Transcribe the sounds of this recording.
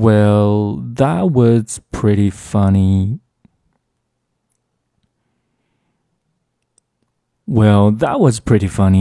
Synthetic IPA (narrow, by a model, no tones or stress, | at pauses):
wɛlˠðət̚wʌz̥pʰɹ̥ɪɾifʌni | wɛlˠðət̚wʌz̥pʰɹ̥ɪɾifʌni